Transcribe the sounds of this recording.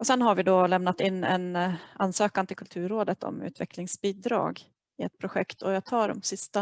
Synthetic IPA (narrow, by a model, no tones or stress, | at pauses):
ɔsɛnɦaɾvɪd̪ɔlɛmnat̪ɪnːɛ̰nanːsøːkant̪ɪlkʰɵlt̪ʰʉ̟ːɾːoːd̪ət̪ʰɔ̰mʉ̟̰ːt̪ʰvɛkʰlɪŋsbiːd̪ɾɑ̰ːɡ | ɪɛt̪̚pʰɾʊɧɛkt̪ʰɔjat̪ʰɑːɖɔ̰msɪst̪a